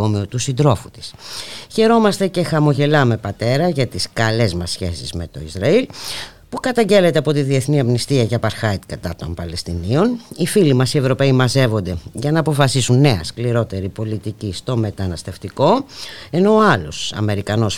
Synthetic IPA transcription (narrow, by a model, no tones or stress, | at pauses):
omiot̪usind̪ɾo̞fut̪i̥sçe̞ɾo̞mɐst̪e̞ce̞xɐmo̞ʝe̞lɐme̞pɐt̪e̞ɾɐʝɐt̪iskɐle̞zmɐsçe̞̰sḭzme̞t̪o̞izɾɐil | pukɐt̪ɐɲɟe̞le̞t̪e̞ɐpo̞t̪iðie̞θniɐmnist̪iɐʝɐpɐɾxɐjt̪kɐt̪ɐt̪o̞̰mpɐlest̪inio̞nifilimɐsie̞vɾo̞pe̞imɐze̞vo̞nd̪e̞ʝɐnɐːpo̞fɐsisunːe̞ɐ̰skliɾo̞t̪e̞ɾipo̞lit̪icist̪o̞me̞t̪ɐnɐst̪e̞ft̪iko̞e̞no̞ɐlo̞̰sɐ̰me̞ɾikɐno̞s